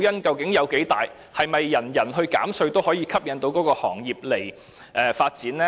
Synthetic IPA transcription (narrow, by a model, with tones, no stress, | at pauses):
jɐ˥nkɐ˨˧wkɪ˨˥ŋjɐ˨˧wke˨˥jt̪aː˨j | hɐ˨jmɐ˨jːɐ˨˩njɐ˨˩nɦɵ˧ɥka̰ː˨˥msɵ˧ɥt̪o˥whɔː˨˥jiː˧kʰɐ˥p̚jɐ˧˥nt̪o˨˥wkɔː˨˥kɔː˧hɔ̰ː˨˩ŋjiː˨p̚le˨˩j | ʔɛː˨faː˧t̚t͡siː˨˥nɛ˥